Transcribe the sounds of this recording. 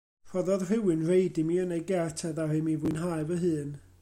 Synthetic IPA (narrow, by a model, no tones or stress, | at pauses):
r̥ɔðɔðr̥ɪwɨnrejdɪmiənejɡɛrtʰɛðahɪmivʊɨnɦajvəɦɨːn